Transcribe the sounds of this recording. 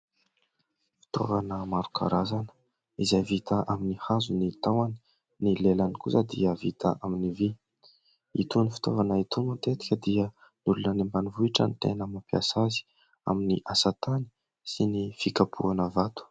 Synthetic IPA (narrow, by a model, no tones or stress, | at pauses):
fi̥t̪o̰vanəmaɾukʰa̰ɾazanə̥ | izajvit̪aʔaminihazunit̪awani̥ | nilelanikuzad̪iəvit̪a̰ʔaminivi | it̪unifi̥t̪ovanəit̪umət̪et̪i̥kʲəd̪iə | nulunənembanivuiʈ͡ʂə̰nit̪ḛnəmapia̰sazi̥ | a̰miniʔasat̪ani̥ | sinifikapʰuanəvat̪u̥